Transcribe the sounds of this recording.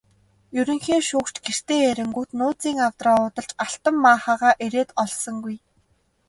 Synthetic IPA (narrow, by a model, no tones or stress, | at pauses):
jɵɾɵ̆ŋxiːŋʃʊːkt͡ɕɡer̥t̪eːeɾɪ̆ŋɡut̪nʊːt͡siːŋawt̪rɔːʊːt̪ə̆ɮt͡ɕaɬt̪ə̆mːaːχaːʁaːʔeɾeːt̪ɔɮsɞ̆ŋɡuj